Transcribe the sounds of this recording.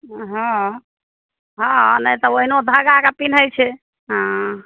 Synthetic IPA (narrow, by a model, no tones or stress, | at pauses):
ɦɔ̃ | ɦɔ̃nəjt̪ɔoɦinod̪ʱaɡakapin̤ɦəjt͡ʃʰɛ | ɦã